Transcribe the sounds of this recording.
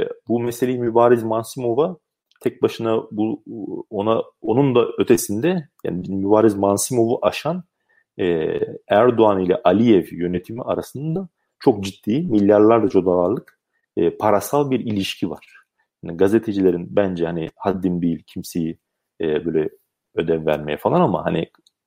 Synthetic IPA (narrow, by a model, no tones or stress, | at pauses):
bumeselʲejimybaːɾizmansimo̞va | t̪ʰɛc̚baʃɯnabuona | o̞nund̪aø̞t̪ʰe̞sind̪ɛja̰ːnibimybaːɾizmansimo̞vuʔaʃan | ɛːæɾd̪oanilʲɛ̰ʔalʲijɛvjø̞net̪ʰimiʔaɾasɯnd̪ad̪a | t͡ʃʰo̞k̚d͡ʒit̪ːiːmilʲːaɾlˠaɾd̪at͡ʃʰo̞d̪alˠaɾlˠɯkː | pʰaɾasalˠbiɾilʲiʃcʰiva̰ɾ̥ | haniɡazet̪ʰe̞d͡ʒilʲe̞ɾinbænd͡ʒɛhanihad̪ːinbilʲcʰimsejiː | bøːlʲɛ | ø̞d̪ɛnvæɾmejɛfalˠanama̰hani